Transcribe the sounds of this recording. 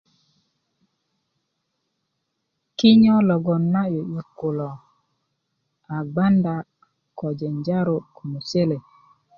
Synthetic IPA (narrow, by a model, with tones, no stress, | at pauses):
kɪ˦ɲɔ˦lɔ˨ɡɔ˨nːa˦jo˨i˨kʊ˨lɔ˨ | a˨ɡ͡ba˦nda˨ | kɔ˨d͡ʒɛ˨ɲd͡ʒa˦ɾo˦ko˨mu˨se˦le˨